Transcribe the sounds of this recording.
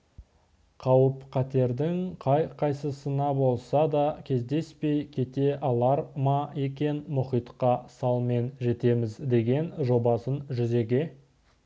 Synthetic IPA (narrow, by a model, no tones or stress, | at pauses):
qʰɑwəpqʰɑt̪e̞ɾd̪ɪŋqʰɑjqʰɑjsəsənɑbo̞lˠsɑd̪ɑkʲʰe̞zd̪e̞spe̞jkʲʰe̞t̪e̞ʔɑlˠɑɾmɑe̞kʲe̞nmʊχijt̪qɑsɑlˠme̞nʒe̞t̪e̞mɪzd̪e̞ɡʲe̞nʒo̞bɑsənʒʏze̞ɡʲe̞